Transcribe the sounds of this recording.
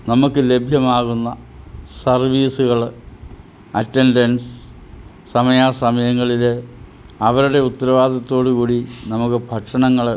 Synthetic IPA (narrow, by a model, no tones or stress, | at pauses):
nɐmukːɨle̞bʱjɐmaːɣunːɐ | sɐrʋiːsuɣɐɭ | ɐtːendɐns | sɐmɐjaːsɐmɐjɐŋːɐɭilɨ | ɐʋɐɾuɽe̞ut̪ːɐɾɐʋaːd̪ʱɐt̪ːo̞ːɽukuːɽinɐmukːɨbʱɐʈʂɐɳɐŋːɐɭ